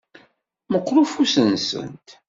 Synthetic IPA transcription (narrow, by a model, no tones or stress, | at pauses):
məqːɾˤufusənsə̰nt̪